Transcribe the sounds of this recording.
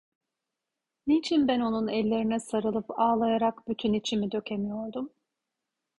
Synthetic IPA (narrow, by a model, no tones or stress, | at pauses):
nit͡ʃʰinbæno̞nunɛlʲːe̞ɾinɛsaɾɯlˠɯpaːlˠajaɾakb̥yt̪ʰynit͡ʃʰimid̪ø̞cʰe̞mijoɾd̪um